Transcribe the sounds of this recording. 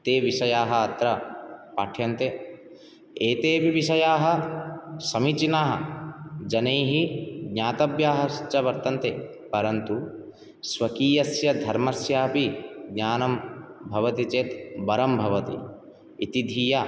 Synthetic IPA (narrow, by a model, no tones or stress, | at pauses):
t̪eːʋiʃɐjaːɦɐɐt̪ɾɐpaːʈʰjɐnt̪e | eːt̪eːʋiʋiʃɐjaːɦɐ̆ | sɐmit͡ʃinaːɦɐ̰d͡ʒɐneːɦiɡɲaːt̪ɐbjaːɦɐst͡ʃɐʋɐɾt̪ɐnt̪eː | pɐɾɐnt̪u | sʋɐkiːjɐsjɐd̪ʱɐɾmɐsjaːpiɡɲaːnɐmbʱɐʋɐt̪it͡ʃeːt̪bɐɾɐmbʱɐʋɐt̪ḭ | it̪id̪ʱiːja